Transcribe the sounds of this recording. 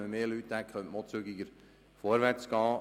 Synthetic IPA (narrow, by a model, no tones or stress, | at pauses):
əmeːlyt̪dækχœntmot͡syɡɪɡəɾ | fɔɾʋæɾt͡sɡ̥ɑː